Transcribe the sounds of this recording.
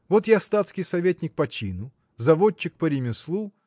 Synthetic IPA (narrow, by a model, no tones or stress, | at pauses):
vot̪jast̪at̪skʲɪjsɐvʲetʲnʲɪk̚pɐt͡ɕinʊ | zɐvot͡ɕːɪk̚pəɾʲɪmʲɪslˠu